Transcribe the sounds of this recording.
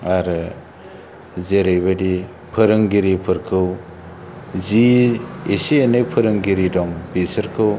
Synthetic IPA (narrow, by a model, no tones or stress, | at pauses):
aɾɯ | zeɾajbadi | pʰɯɾɯŋɡiɾipʰɯɾkʰɯw | ziesienepʰɯɾɯŋɡiɾidɔŋbisɯɾkʰɯw